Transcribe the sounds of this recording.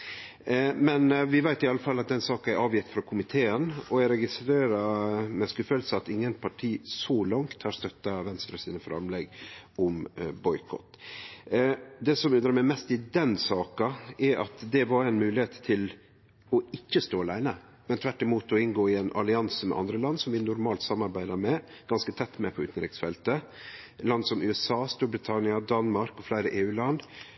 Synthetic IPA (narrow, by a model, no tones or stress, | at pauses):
mɛnʋɪʋæɪt̪ɪɑlːəfɑlːɑt̪̚d̪ɛnsɑːkɑæɾʔɑːʋjɪt̪fɾɑkʰʊmɪt̪ʰeːənɔæɾɛɡɪst̪ɾeːɾɑmɛskʉfəlsəɑt̪ɪŋːənpʰɑʈʰiːsɔlɑŋt̪hɑɾst̪œt̪ːɑʋɛnst̪ɾɑsiːnəfɾɑ̰mlɛɡʔɔmbɔʏkʰɔ̰t̪ː | d̪ɛːsɔmʉnɾəɾmæɪmɛst̪ɪd̪ɛnsɑːkɑɛɾɑ̰t̪d̪ɛʋɑɾæɪnmʉːlɪheːt̪t̪ʰːɪl | ɔɪçːəst̪oːɑlæɪnə | mɛnt̪ʰʋæʈːɪmuːt̪ɔɪnɡoːɪɛnʔɑ̰lɪɑnsəmɛ̰ʔɑ̰nd̪ɾəlɑnd̪sɔmʋɪnʊɾmɑːlt̪sɑmːɑɾbæɪd̪ɑmɛ | ɡ̥ɑnskət̪ʰɛt̪ːmɛpʰɔʉ̰ːt̪nɾɪksfɛlt̪əlɑnd̪sɔmʔʉɛsɑːst̪uːɾbɾɪt̪ʰɑnɪɑd̪ɑnmɑɾkɔflæɪɾəʔeːʉːlɑnd̪